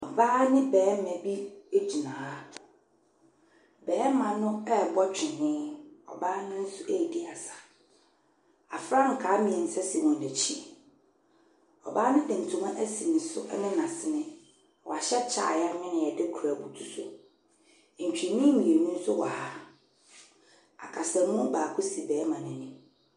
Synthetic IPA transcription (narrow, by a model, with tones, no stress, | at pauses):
ɔ˨baː˦nɪ̃˦bɛː˨˦mɛ̃˨bi˦e˦d͡ʑi˨nãː˨a˦ | bɛː˨˦mã˨nʊ̃˦ɛ˦˨bɔ˦t͡ɕᶣʰɪ˨nɪ̃ː˦ɔ̰˨baː˦nɪ̃˦n̩˦sʊ˦ʔe˦ji˨di˦a˨sḁ˨ | a˨fɾã˦ŋ̩˨kʰaː˨˦mĩ˨ɛ˨n̩˨sɛ˦si˨mɔ̃˨n˨de˨t͡ɕʰi˦˨ | ɔ̰˨baː˦nʊ̃˦dɪ̃˨n̩˨tʰũ˨mã˦ʔæ˦si˨nɪ̃˨sʊ˦ʔɛ˦nɪ̃˦nã˨sɪ˨nɪ̃˦˨ | wɔ̰˨a˨ɕɛ˦t͡ɕʰa̰ː˨ja˦mɪ̃˦nɪ̃˨ɛ˨dɪ˦kʰɾa˨bu˨tʰu˨sʊ˦˨ | ɲ̩˨t͡ɕᶣi˨nĩ˦mĩ˨e˨nũ˦n̩˦sʊ˦wa˨ha˦ | a̰˨kʰa˨sa˨mũ˦baː˨kʰʊ˦si˨bɛː˨˦mã˨nʊ̃˦nʊ̃˦